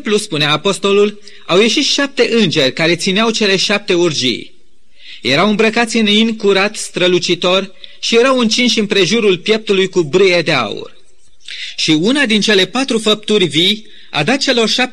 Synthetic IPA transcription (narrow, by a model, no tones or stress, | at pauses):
pluspuneaːpo̞st̪o̞lul | awje̞ʃit̪ʃap̚t̪e̞ʔɨnd͡ʒe̞rʲkaɾe̞t̪sineawt͡ʃe̞le̞ʃap̚t̪e̞urd͡ʒḭj | je̞ɾawɨmbɾəkat̪sʲɨninkuɾat̪st̪ɾəlut͡ʃit̪o̞rʲʃijeɾawɨnt͡ʃinʃ̬ɨmpɾe̞ʒuɾulpje̞p̚t̪ulujkubɾɨje̞d̪e̞a̰ṵr | ʃiunad̪int͡ʃe̞lepat̪ɾufəp̚t̪urʲvij | a̰d̪at̪̚t͡ʃe̞lo̞rʃap